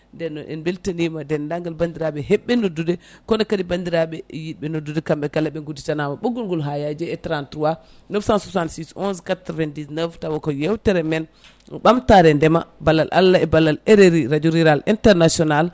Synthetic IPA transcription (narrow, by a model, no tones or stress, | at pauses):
ndɛnːɔʔɛ̰nbeltanimadɛndaŋɡalbandiɾaɓɛɦɛɓːɛnodːudɛkɔnɛkadibandiɾaɓɛjiɓɛnodːudɛkamɓɛkalːaɓɛɡuditanamaɓoɡulɡɔlɦajad͡ʒɛɛtɾantɾuwanɔfsãnsɔsansisɔnskatɾɔvɛndisnəvtawɔkɔjɛwtɛɾɛmɛn | ɓamtaɾɛndɛma̰balːalʔa̰lːaɛbalːalɛɾeɾiɾad͡ʒuɾiɾalintɛɾnasiɔnal